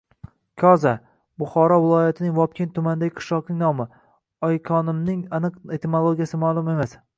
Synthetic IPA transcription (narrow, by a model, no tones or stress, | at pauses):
kʲʰɒza | bʊχɒɾɒvɪlˠɒjat̪ʰɪnɪŋvɒp̚kʲʰent̪ʰʊmand̪aɡʲɪqʰɨ̥ʃlˠɒqnɪŋnɒmɪ | ɒjkʲʰɒnɪmnɪŋanɨqet̪ʰemolˠoɡʲjasɪmalˠʊme̞mas